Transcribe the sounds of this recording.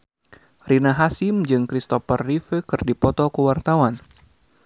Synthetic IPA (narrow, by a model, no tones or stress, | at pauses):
rinaɦasimd͡ʒɨŋkɾist̪ɔfərːifəkɨrdipɔt̪ɔkəwart̪awan